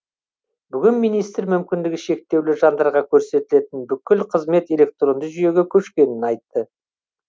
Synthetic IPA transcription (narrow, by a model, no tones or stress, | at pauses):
bʏɡʲɪnmijnijst̪ɾmʏmkʲɪnd̪ɪɡʲɪʃe̞k̚t̪e̞wlɪʒɑnd̪ɑɾʁɑkʲʰɵɾse̞t̪ɪle̞t̪ɪnbʏkʲɪlqʰəzme̞t̪e̞le̞k̚t̪ro̞nd̪əʒʏje̞ɡʲekʲʰɵʃkʲe̞nɪnɑjt̪ːə